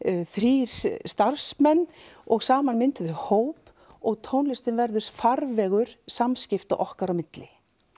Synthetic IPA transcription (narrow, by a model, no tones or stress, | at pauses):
θɾiːɾ̥st̪aɾ̥smɛnːɔɣsaːmanmɪnt̪ʏðʏhoːwp | ɔɣt̪ʰoːwnlɪst̪ɪnvɛɾðʏst̪faɾvɛːɣʏɾ̥samscɪft̪a̰ʔɔhkaɾawmɪt̪lɪ